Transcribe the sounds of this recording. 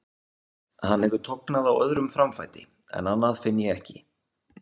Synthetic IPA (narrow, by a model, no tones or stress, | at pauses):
hanːɛvʏt̪ʰɔknaðawœ̰ðɾʏmfɾamfa̰jt̪ɪ | ɛ̰nanːaðfɪnːjɛɛhcɪ